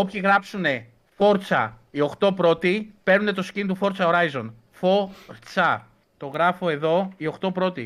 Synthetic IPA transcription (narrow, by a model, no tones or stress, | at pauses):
opçiɣɾɐpsune̞ | fo̞ɾt͡sɐ̰ | io̞xt̪o̞pɾo̞t̪ipe̞ɾnune̞t̪o̞scint̪ufo̞ɾt͡sɐoɾɐizo̞n | fo̞ɾt͡sɐ | t̪o̞ɣɾɐfo̞e̞ðo̞io̞xt̪o̞pɾo̞t̪i